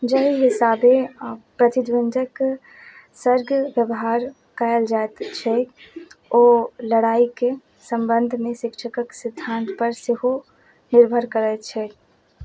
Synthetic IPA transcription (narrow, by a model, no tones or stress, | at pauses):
d͡ʒəɦiɦɪsaːbepɾət̪ɪd̪wɪnd̪ʱək | səɾɡəʋjəbɦaːɾ | kaəld͡ʒaet̪t͡ʃʰɛ | oːləɽaːike | sə̃mbənd̪ʱmẽʃɪkʃʰəkəksɪd̪ʱaːnt̪pəɾsɪɦo | nɪɾbʱəɾkəɾɛt͡ʃʰɛ